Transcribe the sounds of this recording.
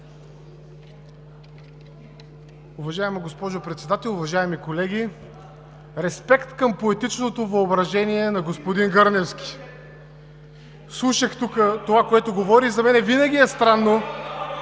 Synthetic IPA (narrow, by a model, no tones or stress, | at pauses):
ʊvɐʒaɛmɐɡospɔʒopɾɛt̪sɛd̪at̪ɛlˠʊvɐʒaɛmikolɛɡʲi | ɾɛspɛkt̪kɐmpoɛt̪it͡ʃnot̪ovɐobɾɐʒɛniɛnɐɡospod̪inɡəɾnɛfskʲi̥ | slˠuʃəxt̪ukət̪ovakoɛt̪oɡovɔɾizɐmɛnɛvinəɡʲiɛst̪ɾanːo